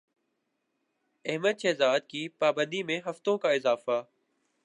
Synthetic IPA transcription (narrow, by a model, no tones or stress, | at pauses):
ɛɦməd̪ʃɛːzaːd̪̚kiːpaːbə̃nd̪iːmẽɦəft̪õːkaːɪzaːfaː